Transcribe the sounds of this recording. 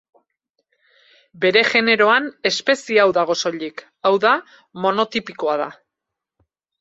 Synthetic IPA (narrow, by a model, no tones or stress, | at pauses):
be̞ɾe̞ʝe̞ne̞ɾo̞ane̞spe̞siawðaɣ̞o̞so̞ʎik | awða | mo̞no̞t̪ipiko̞aða̰